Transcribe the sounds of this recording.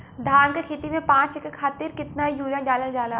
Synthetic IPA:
d̪ʱaːnkekʰeːt̪imẽpãːt͡ʃekːekʰaːt̪ɪɾkɪt̪naijuːɾjãd͡ʒaːləld͡ʒaːla

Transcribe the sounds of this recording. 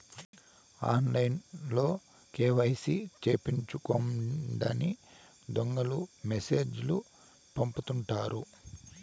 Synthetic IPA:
a̰ːnlɐjnlo̞ː | keːʋɐjɐsit͡ʃeːpiɲt͡ʃukoɳɖɐni | d̪oŋɡɐlumese̞ːd͡ʒlu | pɐmput̪uɳʈaːɾu

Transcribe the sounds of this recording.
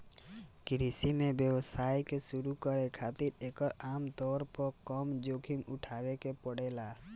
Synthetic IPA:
kɪɾisimebjəwsaːjkesuɾukəɾekʰat̪iɾeːkəɾaːmt̪ɔɾpɔɾkɔmd͡ʒokʰimʊʈʰaːwekepəɽela

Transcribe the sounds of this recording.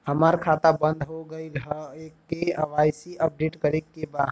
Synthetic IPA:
həmaːɾkʰaːt̪abə̃nd̪ʱɦoɡəiekːeəʋaːjsiʔəp̚ɖeːʈkəɾekːeba

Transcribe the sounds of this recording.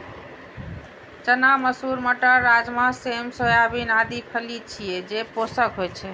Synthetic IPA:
t͡ʃənaməsuɾməʈəɾad͡ʒmãsemsojabinad̪ipʰəlit͡ʃʰied͡ʒeposəkɦojt͡ʃʰɛ

